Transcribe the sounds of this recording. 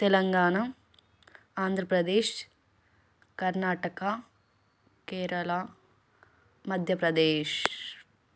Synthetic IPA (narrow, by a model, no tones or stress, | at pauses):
t̪ɛlɐŋɡaːɳɐ | aːnd̪ʱɾɐpɾɐd̪eːʃ | kɐɾnaːʈɐka | keːɾɐla | mɐd̪ʱjɐpɾɐd̪eːʃ